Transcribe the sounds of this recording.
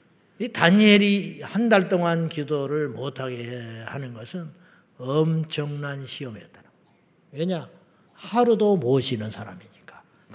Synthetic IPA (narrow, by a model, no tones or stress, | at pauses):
itaɲje̞ɾihandaɭt͈oŋankidoɾɯɭmotʰaɡehanɯnɡʌsʰɯn | ʌmt͡ɕʰʌŋnanɕʰiʌmiʌt̚t͈an | weɲa | haɾudomoʌɕʰinɯnsʰaɾa̰miɲik͈ḁ | k